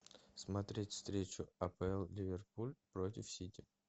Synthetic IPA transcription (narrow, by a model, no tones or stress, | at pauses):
smɐt̪ɾʲetʲfst̪ɾʲet͡ɕʊɐpəɛlˠlʲɪvʲɪrpulʲpɾot̬ʲɪfsʲitʲɪ